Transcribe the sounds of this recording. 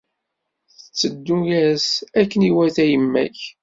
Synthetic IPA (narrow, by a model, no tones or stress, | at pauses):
θət͡sːəd̪ːujæsækːəniwæθæjəmːæ̰ç